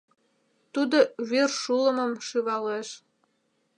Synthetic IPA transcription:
t̪ud̪oβyrʃulə̆mə̆mʃyβɑleʃ

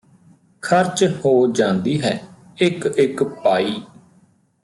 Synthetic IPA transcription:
kʰəɾt͡ʃhoːd͡ʒãːnd̪iːɦɛː | ɪkɪkpaːiː

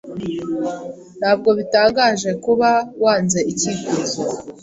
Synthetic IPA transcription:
n̥haːb̚ɡo̞βitaːŋɡaʒe̞kuβawaːnze̞ʔicikuzo

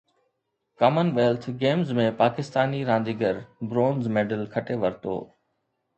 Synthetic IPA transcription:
kaːmənʋeːlt̪ʰɡeːmzmẽpaːkɪst̪aːniɾãːnd̪iːɡəɾbɾoːnzmeːɖəlkʰɐʈeʋɐɾt̪o̰ː

